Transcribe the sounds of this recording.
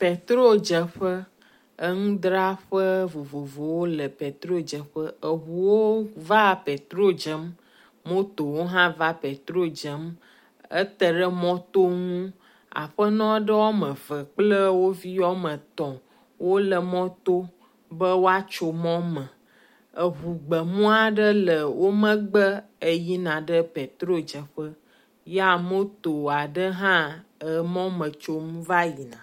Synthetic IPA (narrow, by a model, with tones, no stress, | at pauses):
pe˨t̪ɾo˦d͡ʒə˨ɸə˦ | ə˦ŋũ˦d̪ɾa˦ɸə˦vo˨vo˨vo˨wo˦lə˨pe˨t̪ɾo˦d͡ʒə˨ɸə˦ə˨ɦu˨wo˦va˦pe˨t̪ɾo˦d͡ʒə˨˦mː | o˦t̪o˨wo˦ɦã˦va˦pe˨t̪ɾo˦d͡ʒə˦m | ə̰˦t̪ə˦ɖə˦mɔ̃˦t̪o˦ŋũ˦ | a̰˨ɸə˦nɔ̃˦ɖə˦wɔ˦mə̃˨və˨k͡plə˦wo˦vi˦jɔ˦mə̃˨t̪ɔ̃˨ | wo˦lə˨mɔ̃˦t̪o˦ | bə˦wo˦a˦t͡ʃo˨mɔ̃˦mə̃˨ | ə˨ɦu˨ɡ͡bə˨mũ˦a˦ɖə˦lə˨wo˦mə̃˦ɡ͡bə˦ə˨ji˦nã˨ɖə˦pe˨t̪ɾo˦d͡ʒə˨ɸə˦ | ja˦˨mo˦t̪o˨a˨ɖə˦ɦã˦ə˨mɔ̃˦mə̃˨t͡ʃo˦m̃˦va˦ji˨nã̰˨